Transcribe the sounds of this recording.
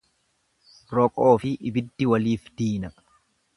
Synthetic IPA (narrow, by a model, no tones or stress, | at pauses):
ɾɔkʼo̞ːfɪʔɪbɪd̪ːɪwɐliːfd̪̥iːnɐ